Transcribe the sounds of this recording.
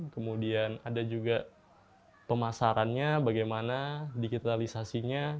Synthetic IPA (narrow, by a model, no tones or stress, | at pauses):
kəmudianadad͡ʒuɡa | pəmasaɾanɲabaɡajmanadiɡit̪alisasiɲa